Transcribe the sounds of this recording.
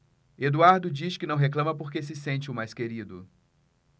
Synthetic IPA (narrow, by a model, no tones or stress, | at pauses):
ed̪uaɾd̪ʊd͡ʒiʃkɪnɐ̃w̃ɦeklɐ̃mɐpoɾkes̬ɪsẽnt͡ʃɪʊmajskeɾid̪ʊ̰